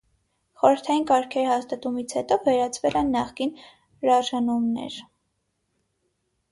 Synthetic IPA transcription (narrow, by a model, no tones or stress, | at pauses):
χɔɾəɾt̪ʰɑjinkɑɾkʰɛɾihɑst̪ɑt̪umit͡sʰhɛt̪ɔvɛɾɑt͡sʰvɛlɛnːɑχkin | ɾɑɾʒɑnumnɛ̰ɾ